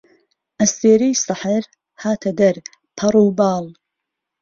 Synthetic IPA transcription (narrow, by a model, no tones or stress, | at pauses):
ʔɐst̪eːɾijsɨħəɾ | haːt̪ʰɐd̪ɐɾ | pʰɐɾˤuːbɑːl